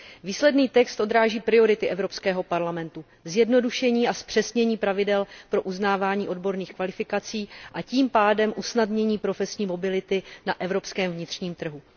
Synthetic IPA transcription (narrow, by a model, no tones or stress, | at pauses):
viːslɛdniːt̪ɛkst̪ʔo̞d̪ɾaːʒiːpɾɪo̞ɾɪt̪ɪʔɛvɾo̞pskɛːɦo̞paɾlamɛnt̪u | zjɛdno̞duʃɛɲiːaspr̥ɛsɲɛɲiːpɾavɪdɛlpɾo̞ʔuznaːvaːɲiːʔo̞dbo̞ɾniːxkvalɪfɪkat͡siːʔaciːmpaːdɛmʔusnadɲɛɲiːpɾo̞fɛsɲiːmo̞bɪlɪt̪ɪnaʔɛvɾo̞pskɛːmvɲɪt̪r̝ɲiːmt̪r̩ɦu